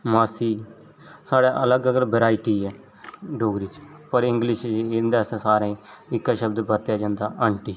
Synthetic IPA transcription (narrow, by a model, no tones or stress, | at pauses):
maːsiː | saːɽaːʔələɡəɡəɾbəɾaːɪʈiːɛː | ɖoːɡɾit͡ʃpəɾɪ̃ŋɡlɪʃɪnd̪aːsẽːsaːɾẽɪkːaːʃəbd̪bət̪jaːd͡ʒãːnd̪aːʔəːɳʈiː